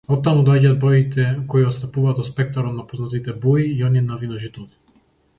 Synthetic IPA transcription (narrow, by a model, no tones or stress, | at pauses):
ɔt̪ːamud̪ɔaɟad̪̚bɾɔit̪ɛkɔiɔt̪st̪apuvaːt̪vɔspɛk̚t̪aɾɔt̪napɔznat̪it̪ɛbuiːɔniɛnavinɔʒit̪ut̪i̥